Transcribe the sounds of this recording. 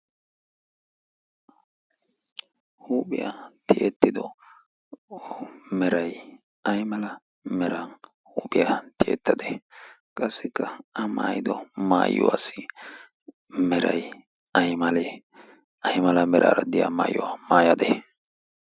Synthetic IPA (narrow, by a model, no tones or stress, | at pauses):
huːbɪjat̪ɪʔet̪ːɪd̪ɔ | mɛɾɐj | ɐjmɐlɐ | mɛɾɐn | huːbɪjat̪ɪɛ̰t̪ːɐd̪e | kʼɐsːɪkːɐɐmaːjɪd̪ɔma̰ːjːʊ̰wa̰sɪ | mɛɾɐ̰j | ɐjmɐlɛ | ɐjmɐlɐmɛɾʔa̰ːɾɐd̪ɪja̰ːma̰ːjːwamaːjɐd̪ɛ